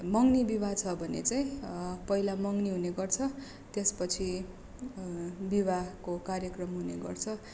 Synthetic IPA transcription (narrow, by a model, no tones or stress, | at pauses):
mʌŋnibibat͡sʰʌbʱʌnḛt͡saĩpʌɦilamʌŋniɦuneɡʌrt͡sʰʌ | t̪espʌt͡sʰi | bibakokarjʌkrʌmɦunḛɡʌ̰rt͡sʰʌ